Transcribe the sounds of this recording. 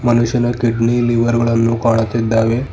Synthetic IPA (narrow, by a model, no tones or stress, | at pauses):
mənuɕjənakiɖniliʋəɾɡəɭanːũkaɽ̃at̪ed̪aʋe